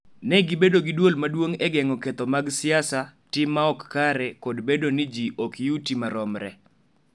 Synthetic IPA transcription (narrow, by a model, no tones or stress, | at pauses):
nɛɡɪbedoɡɪdwolmadwoŋɛɡɛŋɔkɛt̪ɔmaɡsɪasatɪmːaɔkːaɾɛkɔdbedonɪd͡ʒiʔɔkjutimaɾɔmɾɛ̰